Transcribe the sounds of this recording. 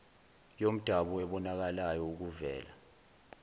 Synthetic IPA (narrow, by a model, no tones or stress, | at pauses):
jom̩d̥ʱaɓuɛɓɔnak̬alajɔuk̬uvɛ̰ːla̰